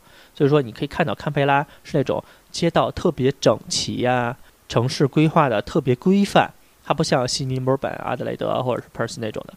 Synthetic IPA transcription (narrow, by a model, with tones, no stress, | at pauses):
t͡ɕt͡ɕjo˥˧ʂ̩˥˩ʂwɔ˥i˨kʰi˨kʰnt̪ɑ˥˩ʊkʰa˥npʰe˥ɪla˥ʂɻ̩˥˧ne˥˩ʈ͡ʂʊ̰˨˩ŋ | t͡ɕjɛ˥t̪ɑ˥˧ʊt̪ʰɤ˥˩pjɛ˧˥ʈ͡ʂɤ˨˩ŋt͡ɕʰḭ˧˥a˧ | ʈ͡ʂʰɤ˧˥ŋʂɻ̩˥˩kwe˥ɪxwa˥˩d̪ə˩t̪ʰɤ˥˩pjɛ˧˥kwe˥ɪfa̰˥˩n | t̪ʰa˥pu˧˥ɕjɑ˥˩ŋɕi˥ni˧˥mə˧˥pa̰˨˩na̰˧˥d̪ə˧lḛ˧˩ɪd̪ɤ̰˧˥˧xwɔ˥˩ʈ͡ʂə˨˩ʂɻ̩˥˧pʰə˞˧˥s̩˧˥ne˥˩ʈ͡ʂʊ̰˨˩ŋd̪ə˦